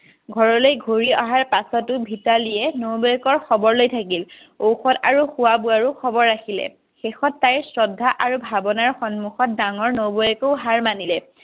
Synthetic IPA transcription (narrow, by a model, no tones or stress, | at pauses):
ɡʱɔɹɔlojɡʱoɹia̰ɦaɹpasɔtʊbʱitalijɛnowbɔjɛkɔɹxɔbɔɹlojtʰakil | owxɔta̰ɹuxʊwabuaɹuxɔbɔɹːaxilɛ̰ | xexɔtːajɹsɹɔdʱːaʔaɹubʱabɔnaɹxɔnmuxɔt̚daŋɔɹnobɔjɛkoʊɦaɹmanilɛ